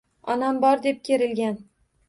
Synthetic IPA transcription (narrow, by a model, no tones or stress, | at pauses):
ɒnambɒɾd̪e̞p̚kʲʰe̞ɾɪlɡʲan